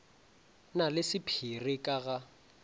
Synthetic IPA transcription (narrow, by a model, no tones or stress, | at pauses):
nalɪsɪpʰirɪkʼaɣa